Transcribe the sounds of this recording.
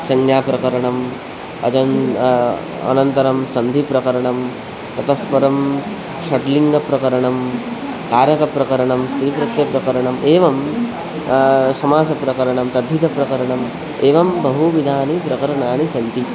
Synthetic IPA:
sɐŋjaːpɾɐkɐɾɐɳɐm | ɐ̰t͡ʃɐn | ɐ̰nɐnt̪ɐɾɐmsɐnd̪ʱipɾɐkɐɾɐɳɐm | t̪ɐt̪ɐspɐɾɐm | ʃɐʈliŋɡɐpɾɐkɐɾɐɳɐm | kaːɾjɐkɐpɾɐkɐɾɐɳɐmst̪ɾipɾɐt̪jɐpɾɐkɐɾɐɳɐmʔeːʋɐm | sɐmaːsɐpɾɐkɐɾɐɳɐmt̪ɐd̪ʱːit̪ɐpɾɐkɐɾɐɳɐm | eːʋɐmbɐɦuʋid̪ʱaːnipɾɐkɐɾɐɳaːnisɐnd̪ʱi

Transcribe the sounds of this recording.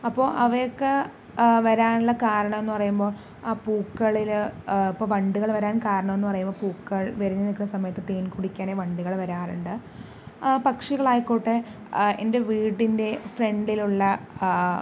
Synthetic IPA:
ɐpːo̞ːʔɐʋɐjokːe | ʋɐɾaːnuɭːɐkaːɾɐɳɐme̞nːupɐrɐjumbo̞ːɭ | aːpuːkːɐɭilipːoːʋɐɳɖuɣɐɭʋɐɾaːnkaːɾɐɳɐme̞nːupɐrɐjumboːpuːkːɐɭʋeɾinːɐnikːunːɐsɐmɐjɐt̪ːɨt̪eːnkuɽikʲːaːneːʋɐɳɖuɣɐɭʋɐɾaːruɳɖɨ | pɐkʂiɣɐɭaːjkːuːʈːe | ḛnde̞ʋiːɽinde̞fre̞ɳɖiluɭːɐ

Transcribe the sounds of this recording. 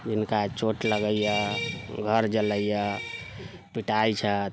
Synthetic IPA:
d͡ʒinkat͡ʃoʈləɡəijəɡʱəɾd͡ʒələjə | piʈajt͡ʃʰə

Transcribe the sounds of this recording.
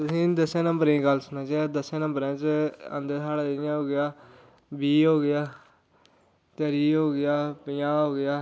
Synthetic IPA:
t̪ʊsĩːd̪əsãːnəmbəɾĩːɡəlsʊnãːt͡ʃeːd̪əsãːnə̃mbəɾãːt͡ʃə̰̃nd̪əaːɽaːɪjãːɦoːɡɪjaː | biːɦoːɡɪjaː | t̪əːɾiːɦoːɡɪjaːpɪjãːɦoːɡɪjaː

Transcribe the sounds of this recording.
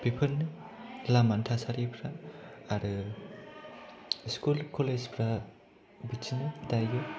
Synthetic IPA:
bipʰɯnɯ | lamantʰasaɾipʰɾaːɾɯ | skulkʰɔled͡ʒpʰɾa | bit͡ʃnɯdajjɯ

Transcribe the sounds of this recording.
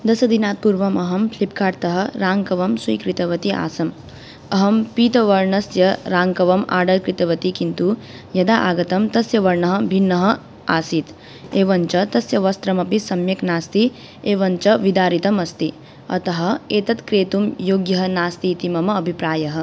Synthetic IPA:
d̪ɐsɐd̪inaːt̪̚puɾʋɐmɐɦɐmpʰlip̚kaːɾt̪ɐɦɐ̆ɾaːŋkɐʋɐmswḭːkɾit̪ɐʋɐt̪iʔa̰ːsɐm | ɐɦɐmpiːt̪ɐʋɐɾɳɐsjɐɾaːŋkɐʋɐma̰ːɖɐlkɾit̪ɐʋɐt̪ikint̪u | jɐd̪aːʔaːɡɐt̪ɐmt̪ɐsjɐʋɐɾɳɐɦɐ̆bʱinːɐɦɐ̆ | aːsit̪ | eːʋɐnt͡ʃɐt̪ɐsjɐʋɐst̪ɾɐmɐpisɐmjɐknaːst̪i | eːʋɐnt͡ʃɐʋid̪aːɾit̪ɐmɐst̪i | ɐ̰t̪ɐɦɐ̆eːt̪ɐt̪kɾeːt̪umjoːɡjɐɦɐnaːst̪iːt̪imɐmɐːbʱipɾaːjɐɦɐ̆

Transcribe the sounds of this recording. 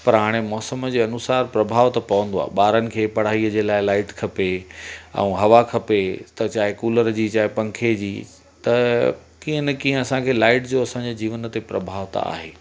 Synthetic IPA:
pɐɾɦaːɽ̃emɔːsəmd͡ʑeːɐnʊsaːɾpɾɐbʱaːʋt̪ɐpɐʋə̃nd̪oa̰ːɦɓaːɾənɪ̆kʰeːpɐɽ̤aːɦiəd͡ʑeːlaːɪlaːɪʈkʰɐpeɛ̰̃ũɦɐʋakʰɐpet̪ɐt͡ɕaːɦekuːləɾd͡ʑiːt͡ɕaːɦɪpɐ̃ŋkʰed͡ʑiː | t̪ɐ | kiːɦənkiːɦə̃ɐsãkʰeːlaːɪʈd͡ʑoːɐsãɲd͡ʑed͡ʑiːʋənə̆t̪epɾɐbʱaːʋt̪a̰a̰ːɦeː

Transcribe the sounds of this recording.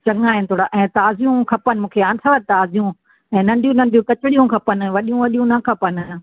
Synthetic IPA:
t͡ɕɐ̃ŋaːɦɪnɪ̆t̪ʰoːɽaʔɛ̃ːt̪aːzijũkʰɐpənɪ̆mũːkʰeaːnsʰɐʋət̪aːzijũ | ɛ̃ːnɐ̃ɳɖ̪ʱijũnɐ̃ɳd̪ʱijũkɐt͡ɕɪɽijũkʰɐpənɪ̆ʋɐɗijũʋɐɗijũnɐkʰɐpənɪ

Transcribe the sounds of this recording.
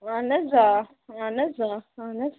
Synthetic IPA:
anaza | anazaanaz

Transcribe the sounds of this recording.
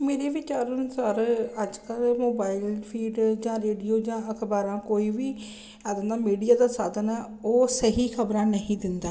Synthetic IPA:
meːɾeːʋɪt͡ʃaːɾnʊsaːɾəd͡ʒkəlmoːbaːɪlpʰiːɖd͡ʒãːɾeːɖijoːd͡ʒãːəkʰbaːɾãːkoːiːʋiː | ɛːd̪ənd̪aːmiːɖijaːd̪aːsaːd̪ənaː | oːsəɦiːkʰəbɾãːnəɦĩːd̪ɪnd̪aː

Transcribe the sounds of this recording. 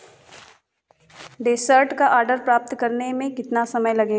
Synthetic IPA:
ɖeːsəɾʈkaʔaːɾɖəɾpɾaːp̚t̪kɐɾnemẽkɪt̪nasɐməjlɐɡeː

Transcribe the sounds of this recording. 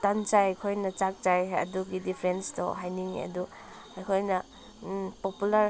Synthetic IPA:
tɐnt͡ʃajkʰojnɐt͡ʃak̚t͡ʃajɐ̰duɡidipʰɾenstɔ̰ɦajniŋɐ̰du | ajkʰojnɐ | populɐɾ

